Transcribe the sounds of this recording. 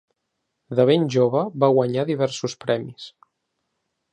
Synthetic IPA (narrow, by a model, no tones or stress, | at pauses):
ðəβ̞enʲʒoβəβaɣwəɲaðiβ̞ɛɾsuspɾɛmis